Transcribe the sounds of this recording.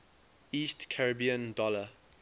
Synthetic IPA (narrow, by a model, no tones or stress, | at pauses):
iːstkʰaɹəbiə̃ndɔlə